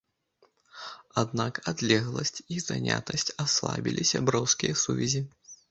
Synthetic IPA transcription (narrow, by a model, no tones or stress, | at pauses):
ad̪nakad̪lʲɛɣlˠɐsʲt͡sʲizanʲa̰t̪ɐsʲt͡sʲaslˠa̰bʲilʲisʲabɾɔwskʲijɐsuvʲɛzʲi